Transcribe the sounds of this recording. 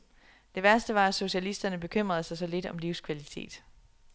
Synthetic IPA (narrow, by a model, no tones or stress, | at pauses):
d̥e̝ʋæɐsd̥əʋɑ̈æso̝ɕiælisd̥ɐnəb̥e̝kʰøm̰ʁɐð̞̩ˠsɑɪsɒ̽le̝d̥ɒ̽mliʊskʰʋælit͡sʰe̝̰ːd̥